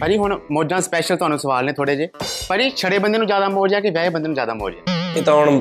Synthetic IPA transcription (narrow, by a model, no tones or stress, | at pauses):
pəɾiːɦʊɳmoːd͡ʒãːspɛːʃəlt̪ʊɦaːnũːsəʋaːlnẽːt̪ʰoːɽeːd͡ʒeːpəɾiːt͡ʃʰəɽeːbənd̪eːnũːzjaːd̪aːmoːɾd͡ʒaːkeʋɛːeːbənd̪eːũːzjaːd̪aːmo̰ːɾd͡ʒa̰ːet̪ːʊɳ